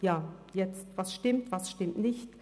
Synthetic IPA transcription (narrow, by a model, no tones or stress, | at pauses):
jaːjɛt͡stv̥asʃtɪmtv̥asʃtɪmtnɪçt